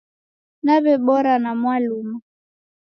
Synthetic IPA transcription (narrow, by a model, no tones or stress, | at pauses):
naβɛɓɔɾanamwalumu